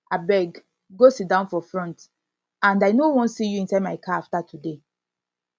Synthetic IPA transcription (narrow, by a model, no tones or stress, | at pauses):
abɛɡ | ɡosit̚dãʊ̃nfɔfɹɔ̃nt | ãndaɪnowɔ̃nsijuĩnsamaɪkaaftatude